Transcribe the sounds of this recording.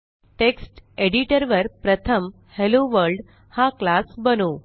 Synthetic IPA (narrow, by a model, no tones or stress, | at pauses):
ʈeksʈeɽiʈəɾʋəɾpɾət̪ʰəm | heloʋəɾɖ | haklasbənuː